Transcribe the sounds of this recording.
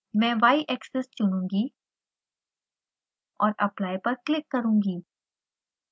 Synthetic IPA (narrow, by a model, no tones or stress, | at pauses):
mɛ̃ːʋaːiʔɛksɛst͡ʃʊnũːŋɡi | ɔːɾɐplaːjpɐɾklɪkːɐɾũːŋɡiː